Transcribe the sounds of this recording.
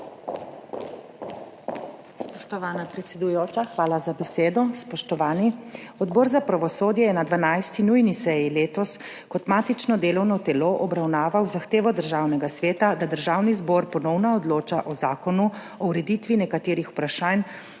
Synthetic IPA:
spɔʃt̪ɔʋaːnapɾɛt̪sɛd̪ujoːt͡ʃaxʋaːlazabɛseːd̪ɔspɔʃt̪ɔʋaːniɔd̪bɔːɾzapɾaʋɔsoːd̪jɛjɛnad̪ʋanajst̪inujnisɛjileːt̪ɔs | kɔt̪maːt̪it͡ʃnɔd̪eːlɔwnɔt̪ɛloʔɔbɾawnaːʋawzaxt̪eːʋɔd̪əɾʒaːwnɛɡasʋeːt̪ad̪ad̪əɾʒaːwnizbɔɾpɔnɔwnaɔd̪loːt͡ʃaʔɔzaːkɔnu | ɔwɾɛd̪it̪ʋinɛkat̪eːɾixu̥pɾaʃan

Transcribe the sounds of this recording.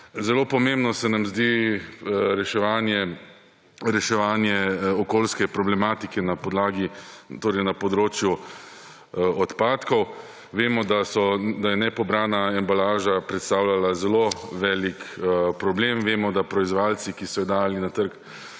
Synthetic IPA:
zɛloːpɔmẽmbnɔsɛnamzd̪i | ɾɛʃɛʋaːnjɛ | ɾɛʃɛʋaːnjɛɔkoːlskɛpɾɔblɛmaːt̪ikɛnapɔd̪laːɡit̪oːɾɛjnapɔd̪ɾoːt͡ʃju | ɔt̪paːt̪kɔw | ʋeːmɔd̪asɔd̪ajɛnɛpɔbɾaːnaɛmbalaːʒapɾɛt̪st̪awlalazɛloʋɛːlikpɾɔbleːmʋeːmɔd̪apɾɔizʋalsikisɔjɔd̪aːjalinat̪əɾk

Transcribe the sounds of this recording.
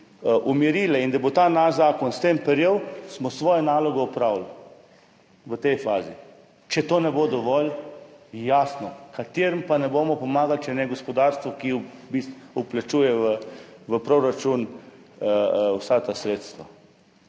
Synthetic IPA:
ʔumiɾiːlɛind̪abot̪aːnazaːkɔnst̪empɛɾjewsmɔsʋɔːjɛnaːlɔɡɔupɾaːwl | ʋət̪ɛjfaːzi | t͡ʃɛt̪oːnɛbod̪ɔʋɔl | jaːsnɔkat̪eːɾəmpanɛboːmɔpɔmaːɡalt͡ʃɛnɛɡɔspɔd̪aːɾst̪ʋɔkibist̪uplat͡ʃuːjɛʋəʋəpɾoɾat͡ʃun | wsat̪asɾeːt̪st̪ʋa

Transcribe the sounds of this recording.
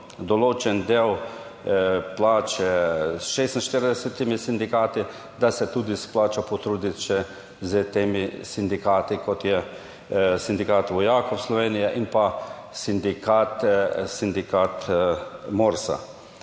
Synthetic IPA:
d̪ɔloːt͡ʃɛnd̪eːw | plaːt͡ʃɛsʃeːst̪n̩ʃt̪iɾid̪ɛsɛt̪imisind̪ikaːt̪i | d̪asɛt̪uːd̪isplaːt͡ʃɔpɔt̪ɾuːd̪it̪ʃɛ | zət̪eːmisind̪ikaːt̪ikɔt̪jɛ | sind̪ikaːt̪ʋɔjaːkɔslɔʋeːnijɛʔinpa | sind̪ikat̪sind̪ikaːt̪ | moːɾsa̰

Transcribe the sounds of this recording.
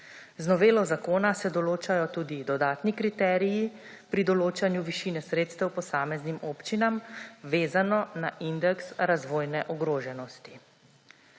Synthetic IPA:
znɔʋeːlɔzakoːnasɛd̪ɔloːt͡ʃajɔt̪uːd̪id̪ɔd̪aːt̪nikɾit̪ɛːɾiji | pɾid̪ɔloːt͡ʃanjuʋiʃiːnɛsɾeːt̪st̪ɛwpɔsaːmɛznimʔoːpt͡ʃinamʋeːzanɔnaʔind̪ɛksɾazʋoːjnɛʔɔɡɾoːʒɛnɔst̪i

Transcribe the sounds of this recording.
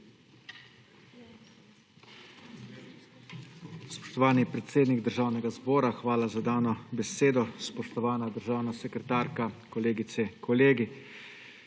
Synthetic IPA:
spɔ̥ʃt̪ɔʋaːnipɾɛt̪seːd̪niɡd̪əɾʒaːwnɛɡazbɔːɾaxʋaːlazad̪aːnɔbɛseːd̪ɔspɔʃt̪ɔʋaːnad̪əɾʒaːwnasɛkɾɛt̪aːɾkakɔleːɡit̪sɛkʰɔleːɡi

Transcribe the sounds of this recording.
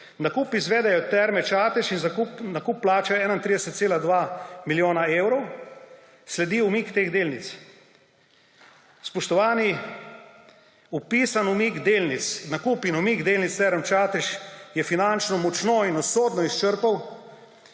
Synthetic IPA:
nakuːpizʋɛːd̪ɛjɔt̪ɛɾmɛt͡ʃaːt̪ɛʃinzakupnakupːlaːt͡ʃɛɛːnaint̪ɾid̪ɛsɛt̪seːlad̪ʋaːmiljoːnaeːwɾɔw | slɛd̪iːumikt̪eːɣd̪eːlnit̪s | spɔʃt̪ɔʋaːni | upisanumiɡd̪eːlnit̪snakuːpinumiɡd̪eːlnit̪st̪ɛɾmt͡ʃaːt̪ɛʃjɛfinant͡ʃnɔmɔt͡ʃnɔinɔsoːd̪nɔist͡ʃəɾpaw

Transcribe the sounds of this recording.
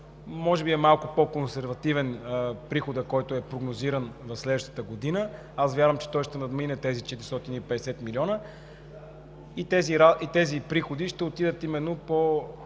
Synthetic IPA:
mɔʒɛbiɛmalˠkʊpokonsɛɾvɐt̪ivɛnpɾixod̪əkɔjt̪ʊɛpɾoɡnoziɾənvɐslɛd̪vəʃt̪ə̥t̪əɡod̪inə | asvʲjaɾvəmt͡ʃɛ̥t̪ɔjʃt̪ɛnɐd̪minɛt̪ɛzit͡ʃɛt̪iɾist̪ɔt̪inipɛd̪ɛsɛt̪miliɔnə | it̪ɛziɾait̪ɛzipɾixod̪iʃt̪ɛot̪id̪ət̪imɛnːopo

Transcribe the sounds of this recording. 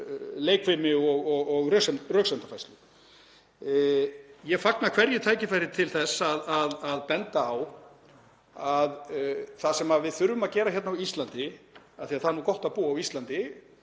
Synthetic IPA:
leːjkvɪmɪɔɣɔɣɔɣrœsɛmrœːɣsɛmt̪afajst̪lʏ | jɛfaknakʰvɛɾjɪt̪ʰaːjcɪfajɾɪt̪ʰɪlθɛsːaðaðaðpɛnt̪aːw | aðθasɛmaðvɪðθʏɾvʏmaðcɛːɾaçɛt̪nawist̪lant̪ɪaθiaðθanuːkɔht̪aðpuːaawist̪lant̪ɪ

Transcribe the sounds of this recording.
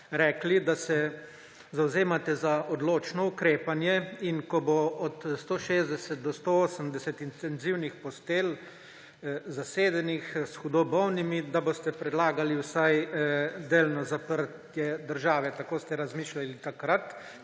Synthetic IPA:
ɾɛːklid̪asɛ | zawzeːmat̪ɛzaɔd̪loːt͡ʃnɔukɾeːpanjɛinkɔboɔt̪st̪oʃeːzd̪ɛsɛt̪̚d̪ɔst̪ooːsəmd̪ɛsɛt̪int̪ɛnziwnixpɔst̪eːl | zaseːd̪ɛnixsxud̪obɔwnimid̪abost̪ɛpɾɛd̪laːɡaliwsajd̪eːlnɔzapəɾt̪jɛd̪əɾʒaːʋɛt̪akoːst̪ɛɾazmiːʃlalit̪akɾat̪

